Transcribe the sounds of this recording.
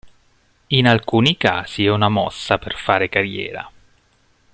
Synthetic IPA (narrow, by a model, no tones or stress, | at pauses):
inalkuːnikaːz̥iɛunamɔ̰sːaperfaːɾekarjɛ̰ːɾa̰